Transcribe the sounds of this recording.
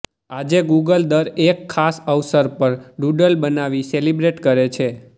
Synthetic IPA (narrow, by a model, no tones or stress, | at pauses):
ad͡ʒeɡuɡəld̪əɾekʰːasəʋsəɾpəɾɖuɖəlbənaʋiselibɾeʈkəɾet͡ʃʰe